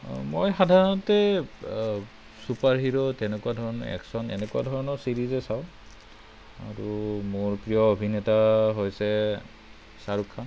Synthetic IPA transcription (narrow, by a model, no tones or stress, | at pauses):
mojxadʱaɹɔntɛ | supaɹɦiɹɔtɛnɛkuwadʱɔɹɔnɔ̰ɛ̰ksɔnɛ̰nɛkua̰dʱɔɹɔnɔɹsiɹizɛsaʊ̃ | a̰ɹumoɹpɹijɔobʱinɛtaɦojsɛ | saɹukʰːan